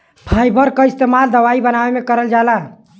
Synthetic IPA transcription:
pʰajbəɾkəist̪emald̪əʋaibənaʋemekəɾəld͡ʒala

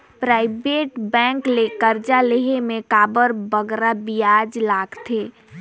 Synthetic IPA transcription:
pɾaːɪbeːʈbɛ̃ŋklekəɾd͡ʒaleɦemẽkaːbəɾbəɡɾabijaːd͡ʒlaːɡt̪ʰeː

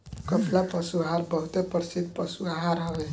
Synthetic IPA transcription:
kʌpʰlapəsuaɦaɾbʌɦut̪epəɾsid̪̚pʌsuaɦaɾɦawe

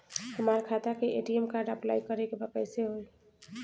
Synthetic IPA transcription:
ɦəmaɾkʰat̪akeʔeʈiemkaɾɖəplajkəɾekebəkəjseɦoj

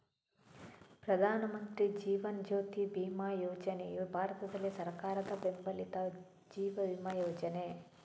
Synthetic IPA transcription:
pɾɐd̪ʱaːnɐmɐnt̪ɾid͡ʒiːʋɐnd͡ʒoːt̪ibiːmaːjoːd͡ʒɐnebʱaːɾɐt̪ɐd̪ɐlːisɐɾkaːɾɐd̪ɐbembɐlit̪ɐ | d͡ʒiːʋɐbiːmaːjoːd͡ʒɐne

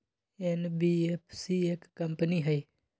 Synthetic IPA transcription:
enbiepʰsieːkːɐmpəniɦɐi

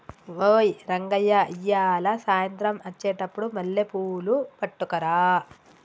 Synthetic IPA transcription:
ʋoːjɾɐŋɡɐjːaijːaːlasaːjɐnt̪ɾɐmɐt͡ʃːɛːʈɐpːuɽumɐlːepuːlupɐʈːukɐɾaː

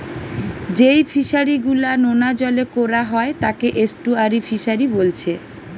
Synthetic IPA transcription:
d͡ʑejfʰiʃaɾiɡulanonad͡ʑɔlekoɾaɦɔet̪akeʔesʈuaɾifʰiʃaɾibolt͡ɕʰe

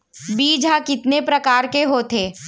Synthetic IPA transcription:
biːd͡ʒʱakɪt̪nepɾɐkaːɾkeɦoːt̪ʰeː

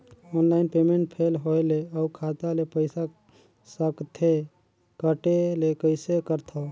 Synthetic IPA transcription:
onlaɪinpemeɳʈ̚pʰelɦojleəukʰat̪alepəɪsa | səkt̪ʰe | kəʈelekəɪsekəɾt̪ʰɔ

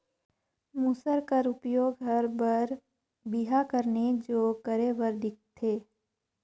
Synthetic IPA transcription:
musəɾkəɾʊpjoːɡɦəɾbəɾ | bɪɦakəɾned͡ʒoːkəɾeʋəɾd̪ʱɪk̚t̪ʰeː

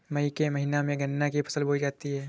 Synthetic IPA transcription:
mɐikemɐɦɪnamẽɡɐnːakipʰɐ̥səlboid͡ʒaːt̪iɦɛː

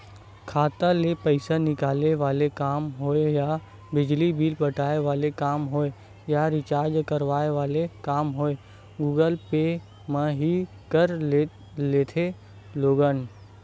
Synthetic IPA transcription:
kʰaːt̪alepəɪsanɪkaːleʋaːlekaːmɦoːeja | bɪd͡ʒlibʱiːlpəʈaːeʋaːlekaːmɦoːe | jaɾɪt͡ʃaːɾd͡ʒkəɾʋaːeʋaːlekaːmɦoːe | ɡuːɡəlpe | mə̃ɦi | kəɾ | leːt̪ʰe | loːɡən

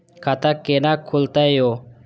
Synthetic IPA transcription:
kʰat̪akːenakʰːult̪aejo

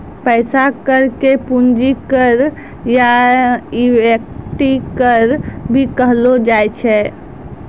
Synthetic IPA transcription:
pəɪsakəɾkepund͡ʒikəɾ | ja | iwek̚ʈikəɾbʱikəɦlod͡ʒajt͡ʃʰɛ

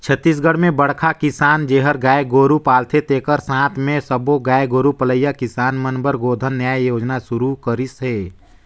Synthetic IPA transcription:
t͡ʃʰət̪ːis̬ɡəɽmẽbəɽkʰakɪsaːnd͡ʒeːɦəɾɡaːjɡoːɾupaːlt̪ʰet̪eːkəɾsãːt̪ʰmẽsəboɡaːjɡoːɾupələjakɪsaːnmənbəɾɡoːd̪ʱənːjaːjjoːd͡ʒnasʊɾukəɾɪsɦeː

